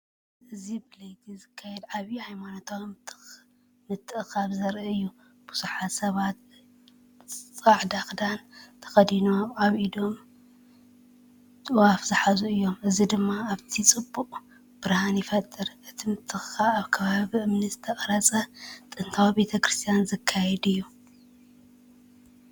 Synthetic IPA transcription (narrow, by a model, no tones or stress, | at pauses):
ɨzibɨlɐjd̪izɨkʰːajɛd̪ʕaβihajmanot̪ʰaw | mɨt̪ʰːɨxaβzɐɾʔɨɨjːu | b̥uz̥uħat̪sɐβat̪̚ | t͡sʼaʕd̪axd̪ant̪ʰɐ̥xɐd̪inoʔaβid̪o̞m | t̪ʼɨwafzɨħazuɨjːo̞mɨzid̪ɨmːaaβt̪ʰit͡sʼɨbːuqʼ | b̥ɨɾhanjɪfɐt̪ʼːɨɾʔɨt̪ʰimɨt̪ʰːɨxxaaβkʰɐβaβiʔɨmnɐt̪zɨt̪ʰɐχʼɐɾɐt͡sʼɐt̪ʼɨnt̪ʰawibe̞t̪ʰɐkɾist̪ʰijanzɨkʰːajɛd̪ɨjːu